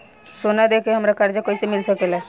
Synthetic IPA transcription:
sonad̪ekeɦəmɾakəɾd͡ʒakoisemɪlsəkelɛ

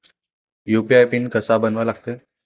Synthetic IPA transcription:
jupiajpinkəsabənʋalaɡ̚t̪əː

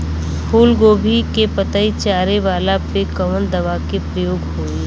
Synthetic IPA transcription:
hʰuːlɡoːbʱikepɐt̪ait͡ʃaːɾeʋaːlapekɐʋənd̪ɐʋakepɾəjoːɡɦoːi

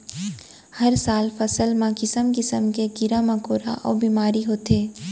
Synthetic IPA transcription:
hɐɾsaːlfɐsəlmãkɪsəmkɪsəmkeɡɪɾamɐ̃koːɾa̰ʔɔ̰ːbiːmaːɾiɦoːt̪eː

